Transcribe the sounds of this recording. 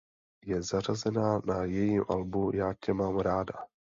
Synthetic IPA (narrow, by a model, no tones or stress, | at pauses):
jɛzarazɛnaːnajɛjimʔa̰lbujaːcɛmaːmɾaːda